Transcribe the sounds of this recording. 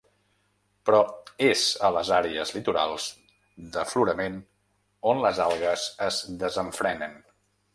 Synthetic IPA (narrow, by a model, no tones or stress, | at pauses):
pɾɔezələzaɾeəzlit̪uɾa̰lˠz̥ | d̪əfluɾəmen | onləzalˠɣəzəzd̪əzəɱfɾɛnən